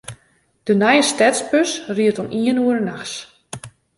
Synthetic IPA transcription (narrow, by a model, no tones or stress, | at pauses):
d̥ənɛjəstɛtspøsriətɔnʔiənuəɾənaxs